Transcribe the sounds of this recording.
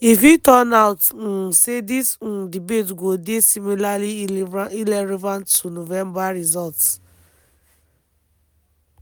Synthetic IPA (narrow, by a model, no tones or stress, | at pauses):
ifjitɔ̃naʊt̩sedisdibetɡodesimilalivailɛɹɛvãntːunovɛ̃mbaɹizɔlts